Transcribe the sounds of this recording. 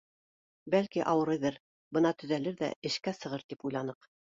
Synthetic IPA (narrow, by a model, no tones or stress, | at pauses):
bælkiʔɑwɤ̆ɾɤjðɤɾ | bɤ̆nɑt̪ɵ̆ðælɘɾðæ̰ɘ̆ʃkæsɤ̆ʁɤɾt̪ipujlˠɑnɤq